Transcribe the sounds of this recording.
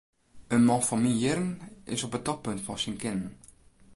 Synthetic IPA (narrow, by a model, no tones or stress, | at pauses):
ənmɑnfɑnminjɪrnɪsɔpət̚tɔk̚pɵntfɑnsinkɪnn̩